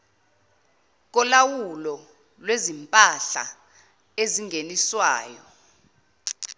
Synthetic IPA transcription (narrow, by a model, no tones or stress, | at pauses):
k̬ɔlawulɔ | lwezimpʼaɬa̰ | eziŋɡʱeniswaːjɔ